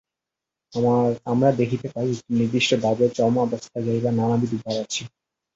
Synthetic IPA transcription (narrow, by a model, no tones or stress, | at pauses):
aamɾad̪ekʰit̪epaɾiiiniɾd̪iʃʈobʱabet͡ɕɔmaɔbost̪ʰad͡ʑajbananabid̪ubʱbaɾat͡ɕʰi